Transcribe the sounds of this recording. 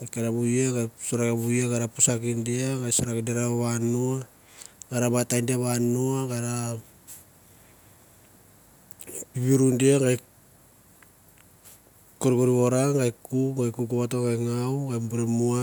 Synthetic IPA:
ɡakaɾaβujaɡajsoɾakabujaɡaɾapusakindiaɡajsoɾakideɾaoβanua | ɡaɾabatajndiaβanuaɡaɾa | piβiɾundiaɡaj | koɾkoɾioɾaŋɡajkuɡajkukuβatoɡajŋawɡajmbuɾemua

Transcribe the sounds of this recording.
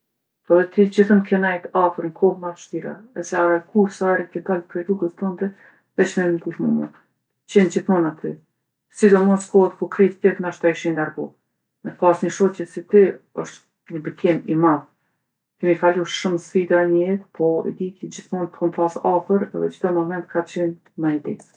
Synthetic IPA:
ɛðɛt̪id͡ʑiθəmkɛnajt̪afəɾnkʰɔmaʃt̪iɾa̰ɛsɛaɾakʰuɾsaɛɾɛkɛd̪alpɾɛɾuɡəzt̪ɔnd̪ɛ | vɛt͡ʃmɛnnd̪uθmṵmɔ̰ | t͡ɕɛnd͡ʑiθmɔnat̪ʰy | sid̪ɔmɔskɔt̪kukɾit̪t̪ɛknaʃt̪aiʃinaɾɡɔ | mɛpasɲəʃɔɛsit̪ɛɔʃt̪ | ɲəbəkɛmimað | kimikaluʃʃuməsfid̪aɲəjɛt̪pʰɔḭd̪ik̪id͡ʑiθmɔnkʰɔnpasafəɾɛ̰ðɛ̰d͡ʒd̪ɔmɔmɛnt̪kʰat͡ɕɛn | mad̪ḭ

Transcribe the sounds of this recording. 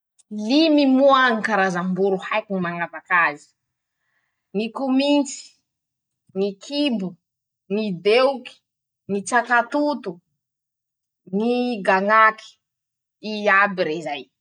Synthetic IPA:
limimuaŋikaɾazambuɾuhajkinimaŋavakazi̥ | nikumint͡si̥ | ŋikʰibu | nid̪euki̥ | nit͡sakat̪ut̪u | niɡaŋaki̥ | iabiɾezaj

